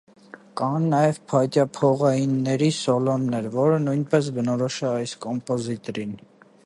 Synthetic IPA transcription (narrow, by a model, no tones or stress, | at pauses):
kɑnːɑjɛvpʰɑjt̪jɑpʰɔʁɑjinːɛɾisɔlɔnːɛɾvɔɾənujnpɛs̬bənɔɾɔʃɛɑjskɔmpɔzit̪ɾin